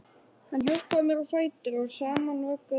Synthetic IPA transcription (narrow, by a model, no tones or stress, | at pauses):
hanːɦœwkvamɛɾɔfaːjt̪ʏɾɔɣsaːmanɔːka